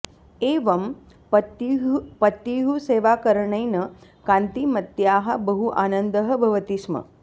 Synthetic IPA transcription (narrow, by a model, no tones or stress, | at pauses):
eːʋɐm | t̪pɐt̪ːiɦuseːʋaːkɐɾɐɳɐjnɐkãːnt̪imɐt̪jaːɦɐ̆bɐɦuʔaːnɐnd̪ɐɦɐ̆bʱɐʋɐt̪iʃmɐ̰